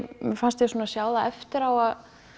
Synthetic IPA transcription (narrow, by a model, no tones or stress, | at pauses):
mfanst̪jɛsuːnasjaːwðaʔɛft̪ɪɾawað